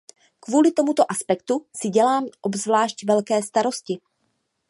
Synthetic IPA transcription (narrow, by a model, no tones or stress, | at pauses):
kvuːlɪt̪o̞mut̪o̞ʔaspɛkt̪usɪɟɛlaːmʔobzvlaːʃcvɛlkɛːst̪aɾo̞scɪ